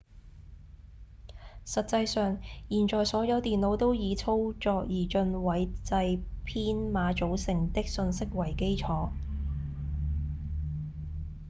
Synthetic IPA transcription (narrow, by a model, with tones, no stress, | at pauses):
sɐ˨t̚t͡sɐ˧jsœː˨ŋjiː˨˩nt͡ʃɔː˨˩jsɔː˨˥jɐ˨˧wt̪iː˨nlo˨˧wt̪o˥wjiː˨˧t͡sʰo˥wt͡ʃɔː˧k̚jiː˨˩t͡ʃɵ˧nwɐ˨˥jt͡sɐ˧jpʰiː˥nmaː˨˧t͡ʃo˨˥wsɪ˨ŋt̪ɪ˥k̚sɵ˧nsɪ˥k̚wɐ˨˩jke˥jt͡ʃʰɔː˨˧˥